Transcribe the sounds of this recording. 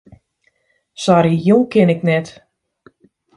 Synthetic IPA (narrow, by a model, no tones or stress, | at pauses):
sɔɾijulˠkɪnɪknɛt